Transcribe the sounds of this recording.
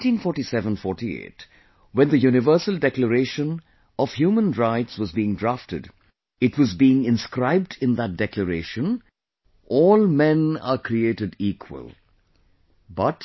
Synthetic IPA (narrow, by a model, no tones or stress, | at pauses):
tĩnfɔɹʈisɛvə̃nfɔɹʈiḛːt | wɛ̃nd̪əjunɪvə˞səldɛkləɾeɪʃə̃n | ɔv̥hjuːmə̃nɹaɪtswʌzbiːɪ̃ŋdɹaftɨd | ɨtwʌzbiɪ̃ŋɪ̃nskɾaɪb̚dɪ̃nðət̚d̥ɛkləɾeɪʃə̃n | ʔɔːlˠmɛ̃nə̰kʰɾieɪɾɨdikʰwə̰lˠ | bʌt